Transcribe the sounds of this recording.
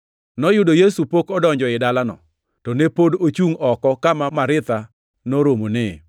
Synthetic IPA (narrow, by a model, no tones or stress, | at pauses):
nɔjʊdojesupokɔdɔɲd͡ʒɔɪdalanɔ̰ | tɔnepodot͡ʃuŋɔkɔkamamaɾɪt̪a | noɾomonɪ